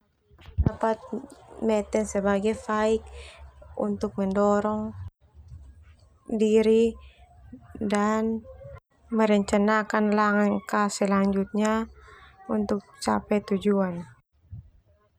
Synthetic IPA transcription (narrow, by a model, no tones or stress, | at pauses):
dapat̪̚mɛt̪ɛnsɛbaɡajfaik̚ | ṵnt̪ʊk̚mɛndɔɾɔŋ | diɾi | dan | məɾəɲt͡ʃanakanlaŋankasɛlaɲd͡ʒut̪̚ɲa | unt̪ʊk̚t͡ʃapɛt̪ud͡ʒuan